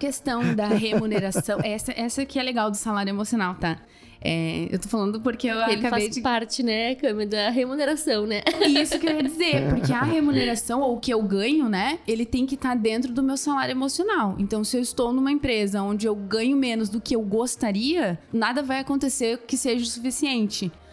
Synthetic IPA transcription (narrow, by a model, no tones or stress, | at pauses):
kest̪ɐ̃w̃d̪ɐɦemuneɾasɐ̃w̃ɛsɐʔɛsɐkɪɛleɡawd̪ʊsalaɾjʊemosionawt̪a | ɛ̰ḛwt̪ofalɐ̃nd̪ʊpoɾkewaelɪkaaed͡ʒɪpaɾt͡ʃɪnɛkɐ̃meɐd̪ɐɦemuneɾasɐ̃w̃nɛisʊkeɾiɐd͡ʒizeɾpoɾkeɐɦemuneɾasɐ̃w̃owʊkɪewɡɐ̃ɲʊnɛelɪt̪ẽj̃kɪt̪aɾd̪ẽnt̪̬ɾʊd̪ʊmewsalaɾjʊemosionawḛ̃nt̪ɐ̃w̃sɪewɪst̪ownũmɐẽmpɾezɐõnd͡ʒɪewɡɐ̃ɲʊmẽnʊzd̪ʊkɪewɡost̪aɾiɐnad̪ɐvajakõnt̪eseɾkɪseʒɐsufisiẽnt͡ʃɪ